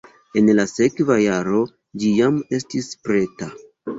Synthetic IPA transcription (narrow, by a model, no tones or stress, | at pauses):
e̞nlase̞kvajaɾo̞ | d͡ʒijame̞stispɾe̞ta